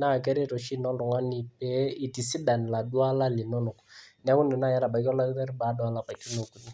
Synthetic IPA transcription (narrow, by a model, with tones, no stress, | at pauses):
na˦˨kɛ˦ɾe˦˨ɾo˨ʃi˦nɔ˦nʊ˨ŋa˦ni˨pɛ˦i˨ti˨si˦da˨n˨la˨dwa˦la˦lɪ˨nɔ˦nʊ˨kni˨˦a˦kʊ˦ndʊ˨na˦˨ja˦ɾa˨ba˨kɔ˦la˦tɛ˦ɾba˨˦dwa˨˦la˨pa˨ki˦no˨ku˨ni˦